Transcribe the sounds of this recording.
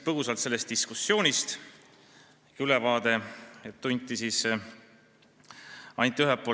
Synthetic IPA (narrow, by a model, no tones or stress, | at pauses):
pɤhusɑlt̪se̞lːe̞st̪̚d̪iskusːo̞ːnʲist̪ | kylevɑːd̪̥e̞et̪ːunʲt̪ʲːˑisiːs | ɑnt̪ːˑiyɦepːˑo